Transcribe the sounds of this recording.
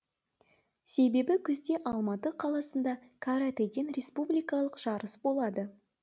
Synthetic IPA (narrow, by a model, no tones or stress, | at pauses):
se̞be̞bɪkʲʰʏzd̪e̞ʔɑlˠmɑt̪əqʰɑlˠɑsənd̪ɑkʰaɾat̪ed̪enɾʲe̞spublijkɑlˠəqʒ̥ɑɾəsbo̞lˠɑd̪ə